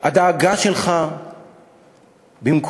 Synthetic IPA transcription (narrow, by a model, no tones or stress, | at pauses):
ad̪aːɡaʃelχa | bimk